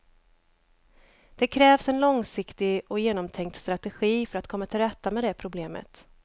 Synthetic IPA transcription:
d̪̥ɛkʰɾɛːvsɛnlɔŋsɪkt̪ɪɡɔjeːnɔmt̪ʰɛŋkt̪st̪ɾat̪ɛɧiːfœɾat̪kʰɔmːat̪ʰɪlɾɛt̪ːamɛd̪ɛpʰɾʊbleːmə̰t̪

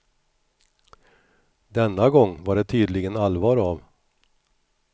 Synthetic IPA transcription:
d̪ɛnːaɡɔŋːvaɖɛt̪ʰyːd̪lɪɡənalvɑːɾav

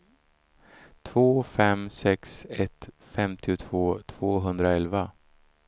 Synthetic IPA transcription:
t̪ʰvoːfɛmsɛksɛt̪ | fɛmt̪ʰɪʊt̪ʰvoːt̪ʰv̥oːɦɵnd̪ɾaɛlva

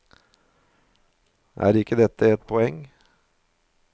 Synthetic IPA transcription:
ʔæ̰ːɾɪkːəd̪ɛt̪ʰːəɛt̪̚pʰɔɛŋ

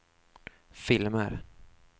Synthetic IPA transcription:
fɪlmə̰ɾ

